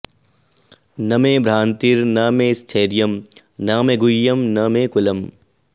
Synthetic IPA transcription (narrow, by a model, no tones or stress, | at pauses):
nɐmeːbɾaːnt̪iɾnaːmeːst̪ʰeːɾijɐm | naːmeɡʊjːɐmnɐmekʊlɐm